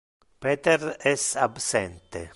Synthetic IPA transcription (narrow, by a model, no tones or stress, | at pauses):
pɛːt̪erɛsabsɛnt̪ḛ